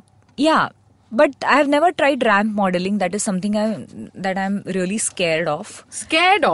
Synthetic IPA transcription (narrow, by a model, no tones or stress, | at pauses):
ja | bʌʈ̚aɪhæʋnɛʋəɾʈɾaɪɖɾæ̃mpmɔːɖəlɪ̃ŋd̪æʈɪzsʌ̃mt̪ɪ̃ŋãɪd̪æʈãɪ̃mɾiəliskeːɾɖɔːfskeːɖɔ